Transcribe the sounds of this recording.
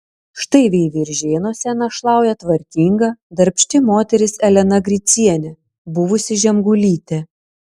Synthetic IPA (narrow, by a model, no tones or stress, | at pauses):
ʃt̪ɐɪʋʲeːʋʲɪɾʲʒʲeːnoːsʲɛnɐʃlˠɑˑʊjɛt̪ʋɐɾʲk̪ʲiːŋɡɐd̪ɐɾʲpʲʃʲt̪ʲɪmoːt̪ʲɛɾʲɪsɛlʲɛnɐɡɾʲɪt̪sʲiɛnʲɛ | bʊʋʊsʲɪʒʲɛmɡʊlʲiːt̪ʲɛ